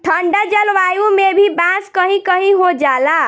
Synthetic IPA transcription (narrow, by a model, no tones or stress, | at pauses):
ʈʰəɳɖəd͡ʒəlʋajumebʱibãskəɦĩkəɦĩɦod͡ʒala